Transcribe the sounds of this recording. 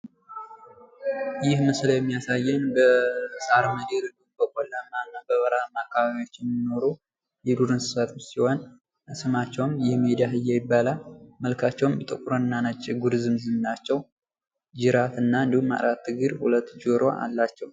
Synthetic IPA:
jɪhməsljɛmːijasajːɛnbəsʼaɾməd̪eɾɨɡɨbəkʼolːamanːabəβəɾamakʰːaβaβiwo̞t͡ʃːɛnmino̞ɾu | jɛd̪uɾɨnsɨ̥sat̪ʰt͡ʃsihon | ɨsɨmat͡ʃːɛwmjɪhmed̪ijaɨjɛjbːalaməlkʰat͡ʃːɛwmjt̪ʼɨkʼuɾoɨnːanat͡ʃʼːɪɡuɾzɨmzɨmnat͡ʃːɛw | d͡ʒɪɾat̪ɨnːaɨnd̪ihumːa̰ɾat̪ʰːɨɡɨɾhulət̪ːd͡ʒoɾo̞ʔa̰lːat͡ʃːɛw

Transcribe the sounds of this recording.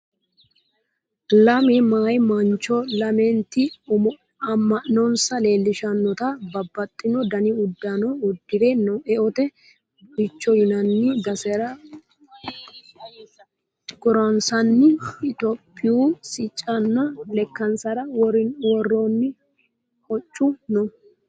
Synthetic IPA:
lɐmɛmaːjmɐnt͡ʃːɔlɐmɛnt̪ɪ | ɐmːɐʔnɔnsɐle̞ːlːɪʃɐnːɔt̪ɐbɐbːɐt̪ʼːɪnɔd̪ɐnɪʊd̪ːɐnɔʊd̪ːɪd̪enɔʔɛʔɔt̪ɛ | bɪt͡ʃːɔjʊnɐnːɪd̪ɐsɛɾɐ | ɡ̥ɔɾɐnsɐnːɪɪt̪ɔpʼːɪjuːsɪt͡ʃʼːɐnːɐlɛkːɐnsɐɾɐwɔɾɪnwɔrːonːɪ | kɔt͡ʃʼːʊnɔ

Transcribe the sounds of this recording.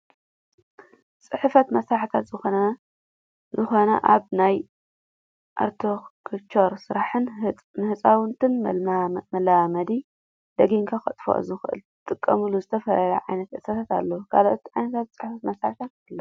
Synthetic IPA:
t͡sʼɨħfɐt̪mɐsɾaħt̪ʰat̪zɨxonɐ | zɨxo̞nɐʔaβnaj | ʔa̰ɾt̪ʰokʰt͡ʃʰoɾsɨɾaħɨn | nɨhɨt͡sʼawɨnt̪ʰɨn | mɐlamɐd̪i | d̪ɐɡiŋkʰaxɐt̪ʼfo̰ʔzɨxʔɨ̰l | t̪ʼɨkʼːɐmɨluzɨt̪ʰɐfɐlɐlɐ̰ʕajnɐt̪ʕɨsɐt̪ʰat̪a̰lːɐwukʰaloʔot̪iʕajnɐt̪ʰat̪̚t͡sʼɨ̥ħfɐt̪mɐsɾaħt̪ʰat̪lːɐ

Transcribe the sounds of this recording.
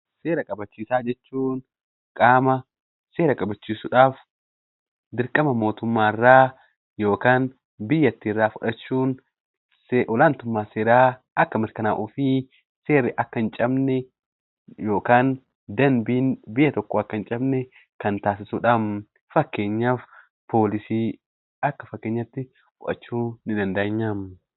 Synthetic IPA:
seːɾɐkʼɐbɐt͡ʃːiːsaːd͡ʒɛt͡ʃːuːn | kʼaːmɐ | se̞ːɾɐkʼɐbɐt͡ʃːiːsʊᶑaːf | d̪ɪɾkʼɐmɐmo̞ːt̪ʊmːaːɪrːaː | jo̞ːkaːn | bɪjːɐt̪ːiɪrːaːfʊᶑɐt͡ʃːuːn | sʔɔlaːnt̪ʊmːaːseːɾaː | ɐkːɐmɪɾkɐna̰ːʔʊfiː | seːrːɪʔɐkːɐnt͡ʃʼɐbnɛ | jo̞ːkaːn | d̪ɐnbɪːnbɪjːɐt̪ɔkːoɐkːɐnt͡ʃʼɐbnɛ | kɐnt̪aːs̬ɪsʊᶑɐm | fɐkːe̞ːɲːaːf | pʰo̞ːlɪsiː | ɐkːɐfɐkːeːɲːɐt̪ːɪ | fʊᶑɐ̰t͡ʃːuːnɪd̪ɐnd̪ɐɐɲːam

